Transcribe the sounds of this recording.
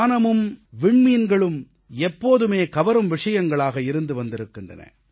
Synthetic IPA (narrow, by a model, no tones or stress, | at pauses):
nɐmɯmʋɪɳmiːnɡɐɭɯm | ɛpːoːðɯmeːkɐʋɐɾɯmʋɪʂɐjɐŋɡɐɭaːɣɐɪɾɯnd̪ɯʋɐnd̪ɪɾɯkːɪndrɐ̰nɐ̰